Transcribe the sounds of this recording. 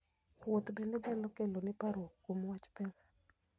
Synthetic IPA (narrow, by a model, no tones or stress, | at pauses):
wot̪bendedalɔkelonɪpaɾwokːomwat͡ʃpɛsḁ